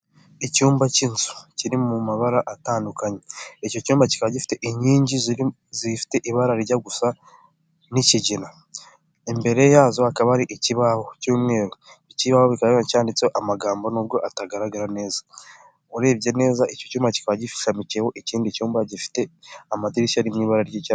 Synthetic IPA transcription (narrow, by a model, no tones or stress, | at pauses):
icuːmbacinzu̥ciɾimumaβaɾaʔataːndukaɲe̞ico̞cuːmbaci̥kaβaɟifi̥te̞ʔiɲiːɲɟiz | ziifi̥te̞ʔiβaɾaɾiɟaɡusa | niciɟina | embe̞ɾe̞jaːzo̞akaβaɾiʔeciβaβo̞cuːmŋe̞ːɾoiciβaβoβikacaːndit͡seoʔamaɡaːmbonobjo̞ʔataɡaɾaɡaɾane̞ːzḁ | uɾe̞ːbɟe̞ne̞ːzaʔecocuːmbaci̥kaβaɟifi̥ʃamiceho̞ʔeciːndicuːmbaɟifi̥te̞amatiɾisaɾimŋiːβaɾaɾɟeca